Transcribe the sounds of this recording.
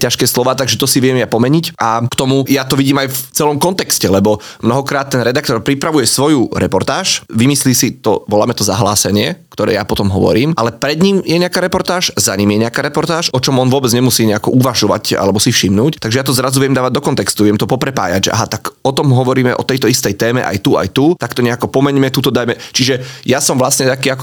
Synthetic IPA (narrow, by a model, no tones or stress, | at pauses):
caʃkɛːslɔʋaːt̪aɡʒɛt̪ɔsiʋɪɛmjapɔmɛɲicʔakt̪ɔmujat̪ɔʋiɟiːmajft͡sɛlɔmkɔnt̪ɛkscɛlɛbɔ | mnɔɦɔkɾaːt̪ːɛnɾɛd̪ak̚t̪ɔɾpɾipɾaʋujɛsʋɔjuɾɛpɔɾt̪aːʃʋimisliːsit̪ɔʋɔlaːmɛt̪ɔzaɦlaːsɛɲɪɛkt̪ɔɾɛ̰ːjapɔt̪ɔmɦɔʋɔ̰ɾiːmʔalɛpɾɛd̪ɲimjɛɲɛakaːɾɛpɔɾt̪aːʃzaɲimjɛɲɛakaɾɛpɔɾt̪aːʃɔt͡ʃɔmɔnʋʊɔbɛd͡zɲɛmusiːɲɛakɔʔuʋaʒɔʋa̰ca̰lɛbɔsifʃimnuːct̪aɡʒɛjat̪̬ɔzɾazuʋɪɛmd̪aːʋaɟ̚d̪ɔkɔnt̪ɛkst̪uʋɪɛmt̪ɔpɔpɾɛpa̰ːjaɟʒɛʔa̰ɦat̪akɔt̪ɔmɦɔʋɔɾiːmɛʔɔ̰t̪ɛjt̪ɔist̪ɛjt̪ɛːmɛ̰ʔa̰jt̪ua̰jt̪ut̪akt̪ɔɲɛakɔpɔmɛɲmɛt̪uːt̪ɔd̪ajmɛt͡ʃiʒɛjasɔmʋlasɲɛt̪akiːakɔ̥